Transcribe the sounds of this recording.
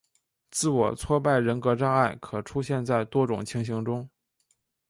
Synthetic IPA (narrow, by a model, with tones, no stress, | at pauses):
t͡sɹ̩˥˩wɔ̰˨˩t͡sʰwɔ˥pa˥˩ɪɻə˧˥nkɤ˧˥ʈ͡ʂɑ˥˧ŋa˥˩ɪkʰɤ˨˩ʈ͡ʂʰu˥ɕjɛ˥˧nt͡sa˥˩ɪt̪wɔ˥ʈ͡ʂʊ˨˩ŋt͡ɕʰi˧˥ŋɕi˧˥ŋʈ͡ʂʊ˥ŋ